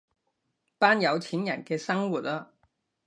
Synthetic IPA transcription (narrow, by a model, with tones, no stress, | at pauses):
paː˥njɐ˨˧wt͡sʰiː˨˥njɐ˨˩nkɛː˧sɐ˥ŋwu˨t̚aː˧